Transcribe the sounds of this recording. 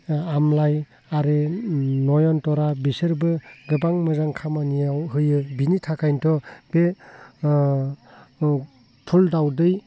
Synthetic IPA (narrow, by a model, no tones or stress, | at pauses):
amlaj | aɾenɔjɔntɔɾabisɯɾbɯɡɯbaŋmɯzaŋkʰamanijawɦɯjɯbinitʰakʰajntʰɔb̥e | tʰuldawdɯj